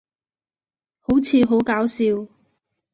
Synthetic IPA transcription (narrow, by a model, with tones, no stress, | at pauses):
ho˨˥wt͡sʰiː˧ɦo˨˥wkaː˨˥wsiː˧w